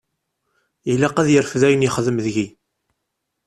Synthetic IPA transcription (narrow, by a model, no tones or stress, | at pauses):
ilæqæðjəɾfðæjənjəχəðəmðʝi